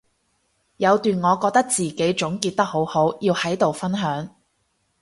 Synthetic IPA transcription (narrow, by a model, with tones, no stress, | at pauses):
jɐ˨˧wt̪yː˨nŋɔː˨˧kɔː˧k̚t̪ɐ˥k̚t͡siː˨ke˨˥jt͡ʃʊ˨˥ŋkiː˧t̪̚ɐ˥k̚ho˨˥who˨˥wjiː˧whɐ˨˥jt̪o˨wfɐ˥nɦœː˨˥ŋ